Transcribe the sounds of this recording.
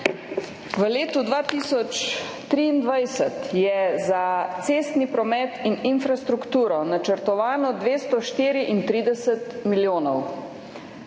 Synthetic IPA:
ʋəleːt̪ud̪ʋaːt̪iːsɔt͡ʃ | t̪ɾiːnd̪ʋajsət̪jɛzat̪seːst̪nipɾɔmɛt̪ininfɾast̪ɾukt̪uːɾɔnat͡ʃəɾt̪ɔʋaːnɔd̪ʋeːst̪ɔʃt̪iːɾiʔint̪ɾiːd̪ɛsət̪miljoːnɔw

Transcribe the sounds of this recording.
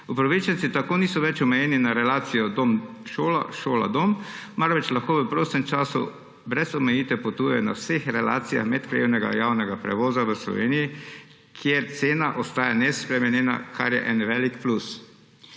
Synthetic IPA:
upɾɔʋit͡ʃɛnt̪it̪akoːniːsɔʋɛt͡ʃɔmɛjɛːninaɾɛlaːt̪sijɔd̪om | ʃoːla̰ʃoːla̰d̪ommaɾʋɛt͡ʃlaxkoːʋəpɾoːst̪ɛmt͡ʃaːsṵ | bɾɛzɔmɛjiːt̪ʋɛpɔt̪uːjɛjɔna̰wsexɾɛla̰ːt̪sija̰xmɛt̪kɾaewnɛɡa̰jaːwnɛɡapɾɛ̰ʋɔːzaʋəslɔ̰ʋeːniji | kʰjeɾt̪seːnaʔɔst̪aːjanɛspɾɛmɛnjɛːna̰kʰa̰ɾjɛ̰ʔɛnʋɛːlikplus

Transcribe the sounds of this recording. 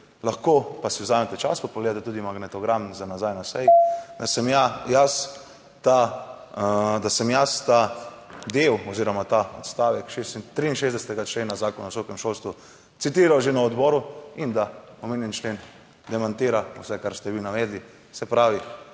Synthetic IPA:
laxkopasiwzaːmɛt̪ɛt͡ʃa̰spapoɡleːd̪at̪ɛt̪uːd̪imaɡnɛt̪ɔɡɾamzanazajnasɛjid̪asɛmjajas | t̪a | d̪asɛmjast̪a | d̪ewɔziːɾɔmat̪aɔt̪st̪aːʋɛkʃest̪ɾiːnʃeːzd̪ɛsɛt̪ɛɡat͡ʃleːnazaːkɔnawsɔːkɛmʃolst̪ʋu | t̪sit̪iːɾawʒenaɔd̪bɔɾuind̪aɔmeːnjɛnt͡ʃleːn | d̪ɛmant̪iːɾausɛkaɾst̪ɛʋinaʋeːd̪li | sɛpɾaːʋi

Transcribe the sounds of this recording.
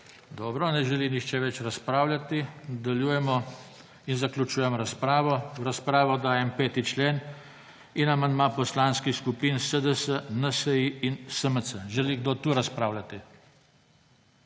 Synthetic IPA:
d̪ɔːbɾɔnɛʒɛlinixt͡ʃɛʋɛt͡ʃɾaspɾaːwlʲjat̪id̪ɛljuːjɛmɔ | inzaklʲut͡ʃuːjɛmɾaspɾaːʋɔɾaspɾaːʋɔd̪aːjɛmpeːt̪it͡ʃleːn | inamand̪mapɔslaːnskixskupinsəd̪əsənəsɛjiinsəməsəʒɛliɡd̪oːt̪uɾaspɾaːwlʲat̪i

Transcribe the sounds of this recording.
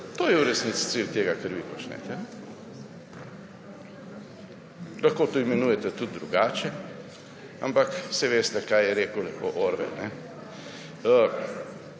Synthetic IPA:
t̪oːjɛuɾɛsnit̪si̥t̪silt̪eːɡakəɾʋipɔt͡ʃnɛ̰ːt̪ɛnɛ | laxkoːt̪oːimɛnuːjɛt̪ɛt̪ud̪̚ːɾuɡaːt͡ʃɛ | a̰mpaksɛʋeːst̪ɛkajjɛɾeːkʊlɛxko̰ʔoːɾʋɛ̰lnɛ | ə

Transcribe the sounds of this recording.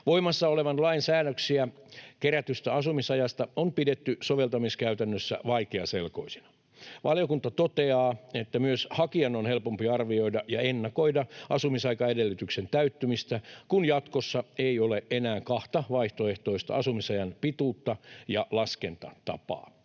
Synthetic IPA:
ʋoimɑsːɑoleʋɑnlɑinsæːnøksiækeɾæt̪yst̪æɑsumisɑjɑst̪ɑompidet̪ːysoʋe̞lt̪ɑmiskæyt̪ænːøsːæ̰ʋɑikeɑsḛlko̞̰isi̥nɑ̥ | ʋʔɑljokunt̪ɑt̪ot̪eɑːet̪ːæmyøshɑkiɑnonhelpompiɑrʋio̞idɑʔjɑenːɑko̞idɑɑsumisɑikɑedelːyt̪yksent̪æyt̪ːymist̪ækunjɑt̪kosːɑeioleʔenæːŋkɑht̪ɑʋɑiht̪oeht̪oist̪ɑ̰ɑsumisɑjɑnpit̪uːt̪ːɑjɑlɑskent̪ɑ̰t̪ɑ̰pɑ̰ː

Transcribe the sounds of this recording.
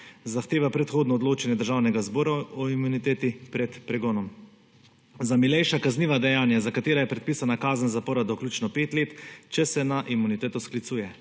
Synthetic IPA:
zaxt̪eːʋapɾɛt̪xoːd̪nɔd̪loːt͡ʃɛnjɛd̪əɾʒaːwnɛɡazbɔːɾaɔimunit̪eːt̪ipɾɛt̪pɾɛɡɔːnɔm | zamilɛjʃakazniːʋad̪ɛjaːnjazakat̪eːɾajɛpɾɛt̪piːsanakaːzənzapɔːɾad̪ɔklʲuːt͡ʃnɔpeːt̪leːt̪t͡ʃɛsɛnaʔimunit̪eːt̪ɔsklit̪suːjɛ

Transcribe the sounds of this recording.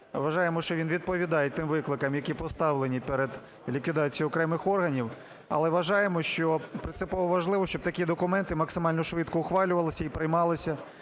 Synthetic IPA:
ʋɐʒɑjemɔʃt͡ʃɔʋinʋʲid̪̚pɔʋʲid̪ɑjet̚ʲt̪ɪmʋɪklˠɪkɐmjɐkʲipɔst̪ɑʋlenʲipeɾed̪ | lʲikʋʲid̪ɑt͡sʲijiɔkɾɛmɪxɔrɦɐnʲiw | ɐ̰lˠɛʋɐʒɑjemɔʃt͡ʃɔpɾɪnsɪpɔʋɔʋɐʒlˠɪʋɔʃʲt͡ʃɔb̚t̪ɐkʲid̪ɔkʊmɛnt̪ɪmɐksɪmɑlʲnɔʃʋɪt̪kɔʊxʋɑlʲʊʋɐlˠɪsʲɐipɾɪjmɑlˠɪsʲɐ

